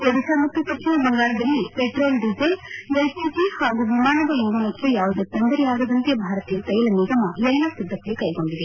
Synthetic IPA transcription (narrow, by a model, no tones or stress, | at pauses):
ɐd̪isaːmɐt̪ːupɐʈt͡ʃʰɐnɐbɐŋɡaːɳɐd̪ɐlːipeʈɾoːlɖid͡ʒelʋɐjpid͡ʒihaːɡuʋimaːnɐd̪ɐjuːɡɐnɐtʋujaːʋud̪et̪ɐnd̪ɐɾijaːɡɐd̪ɐnt̪ebʱaːɾɐt̪ijɐt̪ɐjɐlɐnizɐmɐjɐjnaːsid̪ːɐkːɐlukɐjɡoɳɖid̪e